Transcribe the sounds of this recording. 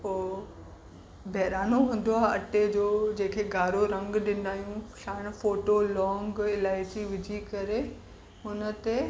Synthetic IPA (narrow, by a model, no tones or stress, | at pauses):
poː | bʱɛːɾaːnoɦũːn̆d̪oaːɦɐʈed͡ʑoːd͡ʑẽːkʰeɡaːɾoɾɐ̃ŋɡɗɪnd̪aːjũʃaːɽ̃foːʈolɔ̃ːŋɡɪlaːɪsiʋɪd͡ʑʱikɐɾe | ʊnə̆t̪e